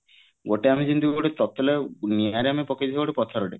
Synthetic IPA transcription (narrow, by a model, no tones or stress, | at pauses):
ɡoʈeamid͡ʒint̪uɡoʈet̪ɔt̪ːɔleniaɾeamepɔked̪iɡɔoʈepɔt̪ʰɔɾɔʈe